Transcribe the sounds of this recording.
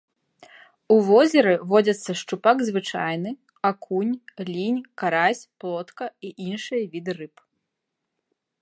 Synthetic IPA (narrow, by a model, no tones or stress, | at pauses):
uvɔzʲɛɾɨvɔd͡zʲɐt̪sːɐʂt͡ʂupaɡzvɨt͡ʂa̰jnɨ | akʰunʲlʲinʲkaɾasʲplˠɔt̪kɐiʔinʂɨjɐvʲid̪ɨrɨp